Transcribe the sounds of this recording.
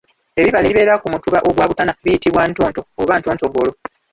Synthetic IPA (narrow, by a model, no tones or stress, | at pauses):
e̞βiβaliiβe̞ːɾakumutuβaʔo̞ɡwaːβutanaβijitiβwanto̞ːnto̞oβanto̞ːntoɡolo